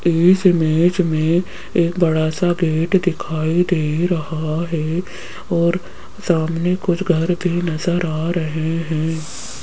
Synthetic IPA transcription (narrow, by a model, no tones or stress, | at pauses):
ɪsɪmeːd͡ʒmẽ | eːkbɐɽaːsaɡeːʈd̪ɪkʰaːid̪eːɾɐɦaɦɛ | ɔːɾ | saːmnekʊt͡ʃʰɡʱɐɾbʱinɐzəɾaːɾɐɦeɦɛ̃ː